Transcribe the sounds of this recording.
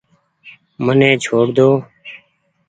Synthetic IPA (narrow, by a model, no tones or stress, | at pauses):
mənẽːt͡ʃʰoːɽd̪oː